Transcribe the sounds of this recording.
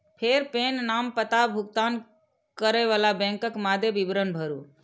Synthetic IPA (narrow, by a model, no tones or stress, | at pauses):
pʰeɾpenːampət̪abʱuɡ̚t̪an | kəɾəjʋalabɛ̃ŋkəkmad̪ʱjebibɾənbʱəɾu